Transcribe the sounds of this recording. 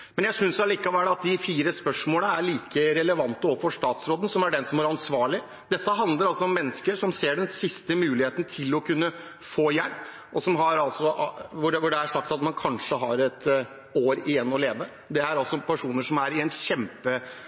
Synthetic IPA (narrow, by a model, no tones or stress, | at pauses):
mɛnjæsʏnsɛliːkɑʋæːɖɑt̪̚d̪ɪfiːɾəspœʂmoːləæɾɭiːkəɾɛləʋɑnt̪əɔfɔʂt̪ɑːt̪sɾoːd̪n̩sɔmæɖɛnsɔmhɑɾɑnsʋɑːɭɪ | d̪ɛt̪ːəɦɑnd̪ləɾɑlsɔɔmːɛnːəskəʂɔmseːɖɛnsɪst̪əmʉːlɪheːt̪n̩t̪ʰɪlɔkʰʉnːə | foːjæɾp | ʔɔsɔmɦɑɾɑlsɔʋʊɖɛʋʊɖɛæʂɑk̚t̪ɑt̪mɑnkʰɑnʂəɦɑɾɛt̪ | oːɾɪjɛnːɔleːʋə | d̪ɛæɾɑlsɔpʰæʂuːnəʂɔmæɾɪɛnɕɛmpə